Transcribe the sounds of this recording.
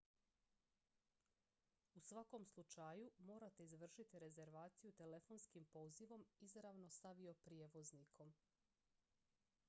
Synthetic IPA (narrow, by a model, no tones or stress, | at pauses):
usʋako̞mslˠut͡ʃajumo̞ːɾat̪e̞izʋr̩ʃit̪iɾe̞ze̞ɾʋaːt̪sijut̪e̞le̞fo̞nskimpo̞ːziʋo̞mizɾaʋno̞saʋio̞pɾijeːʋo̞znikʰo̞m